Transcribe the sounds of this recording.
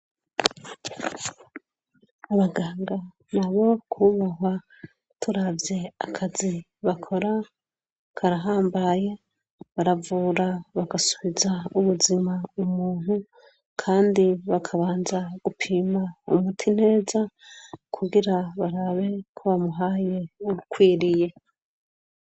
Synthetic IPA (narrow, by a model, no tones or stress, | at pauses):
aβaɡaːŋɡa | naβo̞kʰuβaɦwa | tuɾavje̞akʰazi | βakʰo̞ɾa | kʰaɾaɦaːmbaje̞ | βaɾavuːɾaβaɡasuβizauβuzimaumuːnhu | kʰaːndiβakʰaβaːnzaɡ̥upʰiːmaṵmutʰin̥e̞ːzakʰuɡiɾaβaɾaβe̞kʰoβamuɦaːje̞ukwiːɾije̞